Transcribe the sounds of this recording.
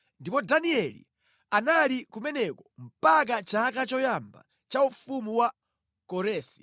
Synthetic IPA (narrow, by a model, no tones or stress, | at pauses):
ndipɔdaniɛlḭ | analikumɛnɛkɔm̩pak̬at͡ʃaːkat͡ʃɔjamba̰ | t͡ʃaufumuwa | kɔɾɛːsi̥